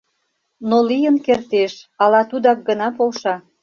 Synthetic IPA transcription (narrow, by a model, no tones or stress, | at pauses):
nolijənkert̪eʃɑlɑt̪ud̪ɑk̚ɡənɑpolʃɑ